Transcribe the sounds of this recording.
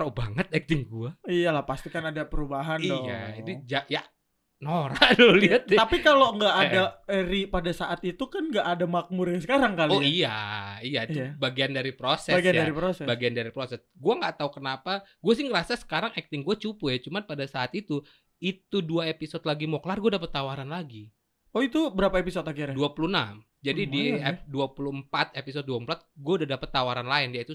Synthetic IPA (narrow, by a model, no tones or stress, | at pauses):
ɾobaŋət̪̚ɛk̚t̪ɪŋɡuaijalahpast̪ikanadapəɾubaɦandioja̰idid͡ʒaʔja | noɾadoliat̪apikaloŋɡaʔːdaəɾipadasaʔat̪it̪ukanŋɡaʔadamak̚muɾasəkaɾaŋkaloiija̰ijabaɡiandaɾipɾosɛaɡianjdaɾipɾosɛbaɡiandaɾipɾosɛsɡuaŋɡaʔt̪aukənapaɡuas̬ɪhŋərasasə̥kaɾaŋɛk̚t̪ɪŋɡuat͡ʃupujat͡ʃumanpadasaːt̪it̪u | it̪uduaepisɔt̪laɡimoklarɡuadap̬ət̪ːawaɾanlaɡi | oit̪ubəɾapaepisot̪akiɾduapulunam | d͡ʒadididuapuluəmpat̪episod̪̚duaəmpulat̪̚ɡuaudadapət̪ːawaɾanlaɪndijait̪u